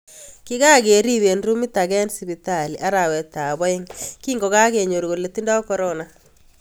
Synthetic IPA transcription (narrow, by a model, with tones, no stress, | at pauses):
kɪ˦ɣa˦ɡe˨ɾi˦βe˨nru˦mi˦ta˨ɣɛ˦nsi˨bi˨ta˨li˨ʔa˦ɾa˨wɛ˨t̪a˨βɔ˦ɪ˦ŋki˦ŋɡɔ˨ɣa˦ke˨ɲo˨ɾɣo˨le˨ti˦nda˦ɔ˦kɔ˦ɾɔna